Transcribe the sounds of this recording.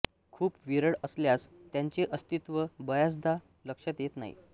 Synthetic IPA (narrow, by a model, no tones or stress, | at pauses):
kʰuːpʋiɾəɽəsljast̪jãɲt͡ɕeʔəst̪it̪ʋəbəjas̬d̪a | ləkʂat̪jet̪na̰ḭ